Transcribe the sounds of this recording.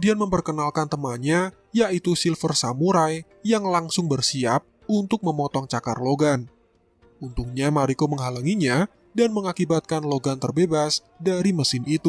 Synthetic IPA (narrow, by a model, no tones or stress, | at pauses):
dianməmpərkənalkant̪əmaɲa | jaʔit̪usilfərsamuɾaj | jaŋlaŋsʊŋbərsiap̚ | unt̪ʊk̚məmɔt̪ɔŋt͡ʃaka̰rloɡan | unt̪uŋɲamaɾikoməŋɦalaŋiɲa | danməŋakibat̪̚kanloɡant̪ərbebas | daɾiməsɪnit̪u